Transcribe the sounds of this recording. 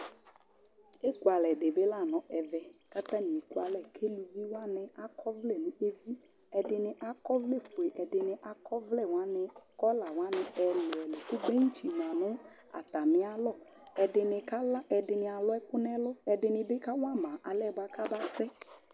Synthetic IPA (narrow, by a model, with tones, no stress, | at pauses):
e˦ku˦a˨lɛ˨ɖe˨be˦la˦˨nɔ̃˨ɛ˨vɛ˨ka˦t̪ã˦nĩ˨e˨ku˦a˨lɛ˦˨kʰe˦lu˨vi˦wa˦nɪ˨a˨kʰɔ˦vle˨nʊ̃˨˦e˦vi˦ | ɛ˨dɪ˨nɪ˨ʔa˨kɔ˦vle˦˨fo˨e˨ʔɛ˨dɪ˨nɪ˨ʔa˦kʰɔ˦vlɛ˦˨wa˦nɪ˨kɔ˦la˨wa˦nɪ˨ɛ˨le˨ɛ˨le˨kʊ˦ɡ͡be˦ŋ̩˦t͡ʃi˨nã˨nʊ̃˦ | a̰˨t̪a˨mɪ̃˨˦a˨lɔ˦ | ɛ˨dɪ˨nɪ˨ka˦la˦ɛ˨dɪ˨nɪ˨a˨lɔ˦ɛ˦kʊ˦nɛ˦lɔ˦ɛ˨dɪ˨nɪ˨bɪ˦ka˦wa˦mã˨ʔa˨lɛ˦˨ba˨ka˦ba˦sɛ˦